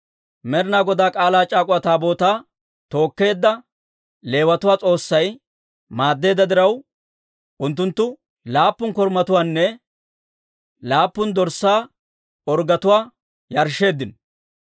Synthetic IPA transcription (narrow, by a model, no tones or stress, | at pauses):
mɛɾɪnaːɡɔd̪aːkʼaːlaːt͡ʃʼaːkʼʊwɐt̪aːbo̞ːt̪aː | t̪o̞ːkːe̞ːd̪ːɐ | le̞ːwɐt̪ʊwaːt͡sʼo̞ːsːɐj | maːd̪ːe̞ːd̪ɐd̪ɪɾɐw | ʔʊnt̪ːʊnt̪ːʊ | laːpːʊŋkɔɾmɐt̪ʊwaːnːɛ | laːpːʊnd̪ɔɾsːaː | ɔɾɡɐt̪ʊwaː | jɐɾʃe̞ːd̪ːɪn